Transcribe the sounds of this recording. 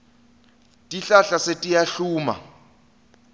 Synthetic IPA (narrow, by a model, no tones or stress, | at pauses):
tʼiɬaɬasetʼijaɬuːma̰